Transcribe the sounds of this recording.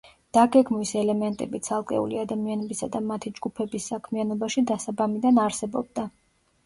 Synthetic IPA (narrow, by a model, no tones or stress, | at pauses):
d̪̥aɡɛɡmwisɛlɛmɛnt̪ʼɛbit̪sʰalˠkʼɛ̰ṵliad̪amianɛbisad̪amat̪ʰid͡ʒɡupʰɛbisːakʰmianɔbaʃid̪asabamid̪anaɾsɛbɔb̚d̪a